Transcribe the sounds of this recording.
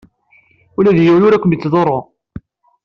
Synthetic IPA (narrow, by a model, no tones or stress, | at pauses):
ulæðjəwlʊɾækʷːəmjət͡sːðˤoɾˤːo